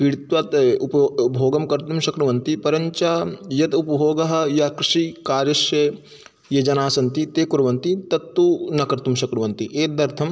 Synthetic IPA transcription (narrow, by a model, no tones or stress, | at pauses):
piɽit̪ʋat̪upɐbʱoːɡɐmkɐɾt̪umʃɐkɾɐʋɐnt̪ipɐɾɐɲt͡ʃaːjɐt̪upɐbʱoːɡɐɦɐ̆jɐkɾɪʂikaːɾjɐʃjɐ | jɐd͡ʒɐnaːsɐnt̪it̪eːkuɾɐʋɐnt̪it̪ɐt̪ːunɐkɐɾt̪umʃɐkɾɐʋɐnt̪iʔeːd̪ɐɾt̪ʰɐm